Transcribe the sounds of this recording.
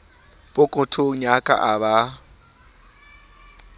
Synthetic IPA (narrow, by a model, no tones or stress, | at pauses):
pʼʊkʼʊtʰʊɲakʼa̰ʔaβa